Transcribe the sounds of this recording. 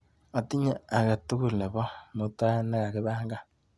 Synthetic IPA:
a˨ti˦ɲa˦a˨ɣa˨tu˦ɣu˨le˨βo˦mo˨ta˦e˦ne˦ɣa˨ɣe˦βaː˦ŋɡa˦

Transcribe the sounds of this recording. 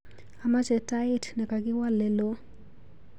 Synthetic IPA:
a˨ma˦t͡ʃɛ˨ta˦ɪ˦tnɛ˨ka˨ɡɪ˦wa˦lːɛ˨lo˦

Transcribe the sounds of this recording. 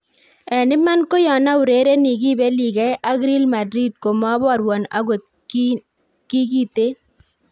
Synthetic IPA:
ɛ˨nɪ˦ma˦nko˦jɔ˨na˦u˨ɾe˨˦ɾe˦ni˨ɡi˦be˦li˨ɡɛ˦ʔa˦ɡɾi˦lma˨dɾi˦d̚ko˨ma˦bɔ˦a˨ɾwɔ˨na̰˦ɡo˨t̪̚ | ki˦ɡi˦t̪e˦

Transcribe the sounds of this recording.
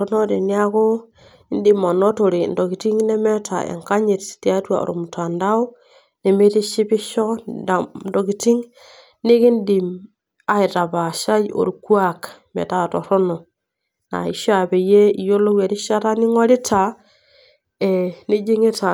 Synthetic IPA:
o˦no˦de˨ni˦a˦ko˦ | i˦ndi˦ma˨no˦to˨ɾi˨ndo˨ki˨ti˦ŋnɛ˦me˦ta̰˨ḛ˨ŋka˦ɲi˨tti˦a˦twa̰˨o̰ɾo̰˨mu˨ta˨nda˦u˦ | ne˨me˦ti˦ʃi˦bi˦ʃo˦da˨ndo˨ɡi˨ti˦ŋ | ni˦ki˦ndi˨m | a˦i˨ta˨ba˨ʃa˦jo̰˨ɾku˦a˦kmḛ˨ta˦˨to̰˨ɾo˦no˨ | na̰˨i˨ʃa˨be˨je˦i˨jo˦lo˦wa˨ɾi˦ʃa˦ta˦ni˦ŋo˦ɾi˦tʰa˨ | e˨ni˦d͡ʒi˦ŋi˦ta˨

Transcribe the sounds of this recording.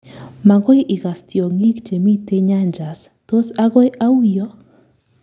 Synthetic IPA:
ma˨ɡɔ˦jʔi˨ɣa˨stjo˨ŋi˦kd͡ʒe˨mi˦t̪e˦ɲa˦nd͡ʒa˨st̪o˦saɣɔ˦jʔa˦ujɔ˦

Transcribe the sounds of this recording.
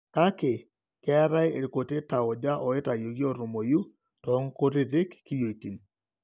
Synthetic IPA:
ka˦kɪ˨ | kɛ˦a˦ɾa˦je˨ɾko˨te˦ta˨ɔ˨d͡ʒa˦ʔɔ˨e˦ta˨jo˨ɡjɔ˦˨ɾʊ˨mo˨ju˦ | tɔ˨˦ŋ˦ko˦ɾɪ˦ðɪ˦kkːi˦jo˨i˨ti˨n

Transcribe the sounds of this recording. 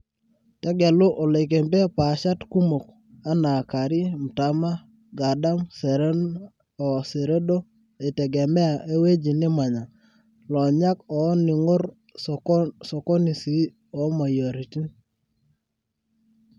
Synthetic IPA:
tɛ˦ɡɛ˨lʊ˦ʔɔ˨le˨k̬e˨mbe˦pa˨ʃa˦tku˦mo˨k̚ | a˦na˨ka˨ɾɪ˦m̩˨ta˨ma˦ | ɡa˨da˦msɛ˨ɾe˦n | ɔ˨se˨ɾe˦do˦ | e˨tɛ˨ɡɛ˨mɛ˦a˨ʔe˦we˦d͡ʒi˨nɪ˦ma˨ɲa˨ | lɔ˨ɲa˦kɔ˨˦nɪ˨ŋo˦ɾ | sɔ˨kɔ˦ni˨si˨˦ | ɔ˨˦ma˨jo˨ɾi˨ti˦

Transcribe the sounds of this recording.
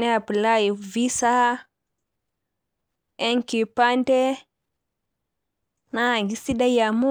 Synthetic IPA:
ɛ˦a˨pi˨la˦ji˨vi˦sa˦ | e˦ŋki˨pa˦ndɛ˦ | na˦˨ɡi˦si˦da˦ja˨mu˦

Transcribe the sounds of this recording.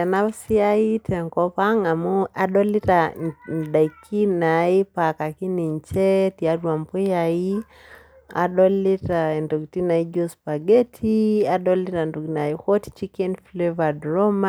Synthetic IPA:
a˨na˦βsi˦a˦i˦tɛ˨ŋkɔ˦pa˦ŋa˨mu˦a˦ɗɔ˦li˦tan˨ɗa˨ikʰːi˦na˨i˦pa˨ka˨ki˦ni˨ɲt͡ʃɛ˦ti˨a˦dwa˨mpu˦jai˦ | a̰˨ɗɔ˦li˦ta˨ndu˨kti˦na˨i˦ɡo˦spa˨ɡɛ˦tʰia˨ɗɔ˦li˦ta˨ndu˨ɡna˨i˦hɔ˦ti̥t͡ʃi˦kɛ˦nfleva˨dɾɔ˦ma˦

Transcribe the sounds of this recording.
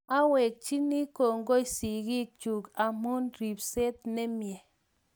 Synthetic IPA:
a˦we˨k̚t͡ʃi˦ni˦ko˨ŋ˦ɡo˦i˨si˨ɡi˦˨k̚t͡ʃu˨ka˨mu˦nɾi˨p̚se˦t̚ne˦mjɛ˨

